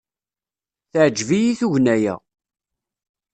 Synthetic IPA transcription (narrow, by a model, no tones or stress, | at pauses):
θəʕd͡ʒvijiθuʝnæjæ̰